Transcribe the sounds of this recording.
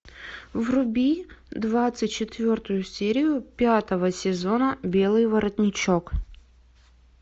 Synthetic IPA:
vrʊbʲid̪vat̪sɨtʲt͡ɕɪt̪vʲo̞rt̪ʊjʊsʲeɾʲɪjʊpʲat̪əvəsʲɪzo̞nəbʲe̞lˠɨjvəɾət̪ʲnʲɪt͡ɕok

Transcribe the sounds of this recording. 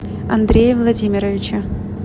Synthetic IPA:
ɐ̰nd̪ɾʲejəvlˠɐdʲimʲɪɾəvʲɪt͡ɕə

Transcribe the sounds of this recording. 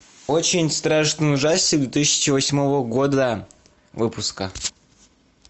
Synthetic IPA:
ot͡ɕɪnʲst̪ɾaʂt̪ənʊʐasʲtʲɪd̪vʲet̪ɨsʲːɪ̥t͡ɕɪvɐsʲmovəɡo̞d̪ə | vɨpʊskə

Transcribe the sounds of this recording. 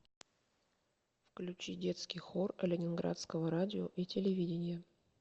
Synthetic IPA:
fklʲʉt͡ɕidʲe̞t̪skʲɪjxorəlʲɪnʲɪnɡɾa̰t̪skəvəɾadʲɪoʔitʲɪlʲɪvʲidʲɪnʲɪjə

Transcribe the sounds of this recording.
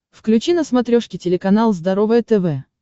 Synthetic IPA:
fklʲʉt͡ɕinəsmɐt̪ɾʲoʂkʲɪtʲɪlʲɪkɐnalˠzd̪ɐɾovɨjət̪ɛvɛ

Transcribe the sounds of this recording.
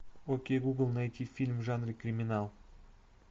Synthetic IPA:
okʲejɡuɡlˠnajt̪ʲifʲilʲmʒanrɨkrʲimʲinalˠ

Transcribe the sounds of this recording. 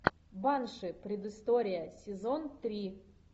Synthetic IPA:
banʂɨpɾʲɪd̪ɨst̪oɾʲɪjəsʲɪzont̪ɾʲi

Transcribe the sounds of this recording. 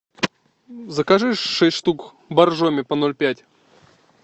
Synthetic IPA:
zəkaʐɨʂʂɛsʲtʲʂt̪uk | bɐrʐomʲɪpɐnolʲpʲætʲ

